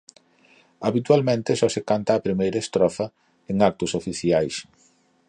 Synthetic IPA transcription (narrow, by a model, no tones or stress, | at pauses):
aβit̪ualmẽnt̪ɪsɔsekant̪aːpɾimejɾɐest̪ɾɔfɐ | eŋak̚t̪ʊsofiθiajs